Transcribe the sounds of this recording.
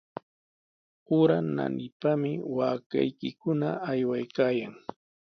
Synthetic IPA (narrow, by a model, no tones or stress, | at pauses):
ʊɾana̰nɪpamɪwaːka̰jkɪkʊnaajwajkaːjaŋ